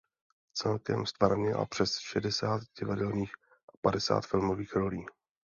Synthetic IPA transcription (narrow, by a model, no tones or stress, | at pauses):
t͡sɛlkɛ̰mst̪vaɾvɲɛla̰pr̥ɛsʃɛdɛsaːt̪ɟɪvadɛlniːx | ʔapadɛsa̰ːt̪fɪlmoviːxɾo̞liː